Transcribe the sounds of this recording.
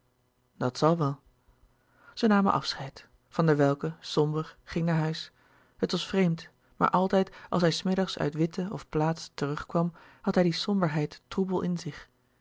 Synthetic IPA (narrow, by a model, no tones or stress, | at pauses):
dɑtsɑlˠʋɛlˠ | z̥ənaːmə̰nʔɑ̰fsχɛjt | fɑndəɹʋɛlˠkəsɔmbəɹχɪŋnaːɹɦœɥs | ɦətʋɑsfrejmt | ma̰ːɹʔɑlˠtɛjtʔɑ̰lˠsɦɛjsmɪdɑχsœ̰ɥtʋɪtəɔfplaːtstərɵχkʋɑmhɑtɦɛjdisɔmbəɹɦɛjtːrubəlˠʔɪnzɪχ